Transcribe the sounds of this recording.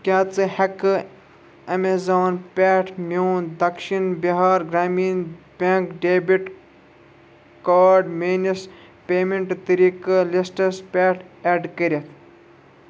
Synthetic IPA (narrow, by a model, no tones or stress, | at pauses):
kʲaːt͡sɨhɐkɨ | ɐmezoːnpʲeːʈʰmʲoːnd̪ɐkʃinbiɦaːɾɡɾaːmiːn | bʲeŋkɖeːbiʈ | kaːɾɖmeːnis | pʲeːmeɳʈt̪ɨɾikɨlisʈɐspʲeːʈʰeːɖkəɾʲɐt̪ʰ